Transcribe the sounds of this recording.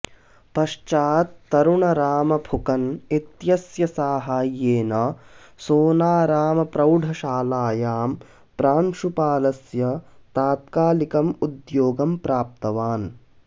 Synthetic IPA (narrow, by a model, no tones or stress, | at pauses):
pɐʃt͡ʃaːt̪ːɐɾuɳɐɾaːmɐbʱukɐnit̪jɐsjɐsaːɦaːjːeːnɐ | soːnaːɾaːmɐpɾɐwɖʱɐʃaːlaːjaːm | pɾaːnʃupaːlɐsjɐt̪aːt̪kaːlikɐmud̪joːɡɐmpɾaːp̚t̪ɐʋaːn